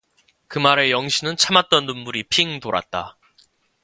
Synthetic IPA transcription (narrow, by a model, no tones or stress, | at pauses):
kɯmaɾe̞jʌŋɕʰinɯnt͡ɕʰamat̚t͈ʌnnumbuɾipʰiŋdoɾa̰t̚t͈a